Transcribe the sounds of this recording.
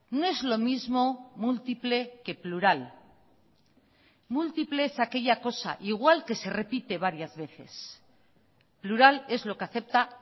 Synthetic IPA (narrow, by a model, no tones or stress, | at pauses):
no̞e̞zlo̞mizmo̞mult̪iple̞ke̞pluɾal | mult̪iple̞esake̞ʎako̞sa̰ʔiɣwalke̞se̞re̞pit̪e̞β̞aɾjazβe̞θe̞̰s | pluɾale̞zlo̞keaθe̞p̚t̪a